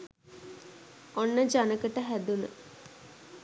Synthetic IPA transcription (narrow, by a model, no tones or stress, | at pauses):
onːəd͡ʒanəkəʈəɦæd̪unə̰